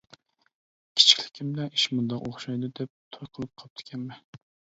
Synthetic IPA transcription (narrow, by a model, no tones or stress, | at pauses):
kʲʰi̥t͡ʃʰi̥kʲlɪ̥kʲʰimbɪlɛnʔi̥ʃmund̪ɑqoχʃɑjd̪ɨd̪ɛp̚t̪ʰojqʰəlˠɨp̚qʰɑp̚t̪ʰɪ̥kʲʰɛmmɛ